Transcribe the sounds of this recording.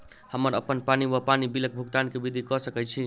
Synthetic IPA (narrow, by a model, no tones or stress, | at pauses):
həməɾəpənpaniʋəpanibilək̚bʱuɡt̪ankebid̪ʱikɔsəkɛt͡ʃʰi